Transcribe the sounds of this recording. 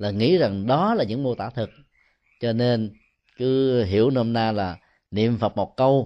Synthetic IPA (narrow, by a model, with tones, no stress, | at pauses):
laː˨˩ŋḭ˧˥za˨˩ŋɗɔ˨˦laː˨˩ɲɨ̰˧˥ŋmu˧ət̪aː˧˩t̪ʰɨ˨˩k̚ | t͡ɕɔ˧ne˧n | kɨ˨˦ɦi˧˩əwnə˧ho˧mnaː˧laː˨˩ | nḭ˧˨əmfə˨˩t̚mo˨˩t̚kə˧w